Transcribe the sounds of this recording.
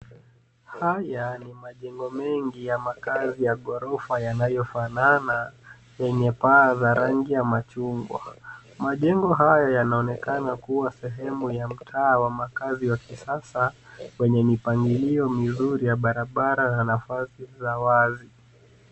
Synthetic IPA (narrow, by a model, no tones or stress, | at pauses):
hajanimaʄɛŋɡɔmɛŋɡijamakazijaɠɔɾɔfajanajɔfanana | jɛɲɛpaːzaɾaŋɡijamat͡ʃuŋɡwa̰ | maʄɛŋɡɔɦajɔjanaɔnɛkanakuwasɛɦɛmujam̩tʰaːwamakaziwakisasawɛɲɛmipaŋɡiliɔmizuɾijaɓaɾaɓaɾananafasizawazi